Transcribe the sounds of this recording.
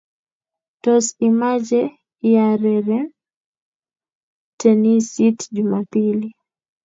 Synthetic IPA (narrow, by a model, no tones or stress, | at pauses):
tɔsimad͡ʒɛ | ɪjaɾɛɾɛ | tenisitd͡ʒumapili